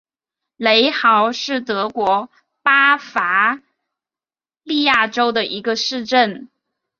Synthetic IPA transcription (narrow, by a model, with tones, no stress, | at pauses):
le˧˥ɪxɑ˧˥ʊʂɻ̩˥˩t̪ɤ˧˥kwɔ˧˥ | pa˥fa˧˥ | li˥˧ja˥˩ʈ͡ʂo˥ʊd̪ə˨ʔi˧˥ɡə˧ʂɻ̩˥˧ʈ͡ʂə˥˩n